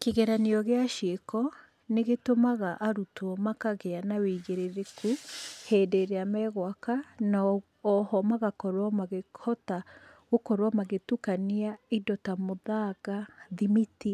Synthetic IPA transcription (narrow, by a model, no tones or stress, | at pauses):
keɣɛɾaniɔɣeaʃekɔ | neɣetomaɣaʔaɾutwɔmakaɣeanaweːɣeɾeɾekʰuheːdeɾeamɛɣwakanaː | hɔmaɣakɔɾwɔmaɣehɔtaɣokɔɾwamaɣetukaniaidɔtamoðaɣaðimiti